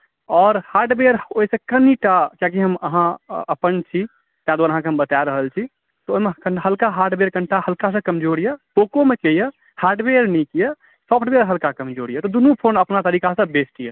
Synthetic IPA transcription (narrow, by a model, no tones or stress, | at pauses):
ɔːɾhaɾɖbeɾoisẽkəniʈakak̬iɦəmə̰ɦãəpənt͡ʃʰi | k̪jãd̪uaɾəɦãkeɦəmbət̪aɾəɦəlt͡ʃʰi | t̪ɔoimeəɦəlkaɦaɾɖbeɾkənʈahəlkas̬ə̃kəmd͡ʒoɽijəpokomekejə | haɾɖbeɾnikijə | sɔpʰʈbeɾɦəlkakəmd͡ʒoɽijət̪ɔd̪unũpʰonəpnat̪əɾikasə̃besʈijə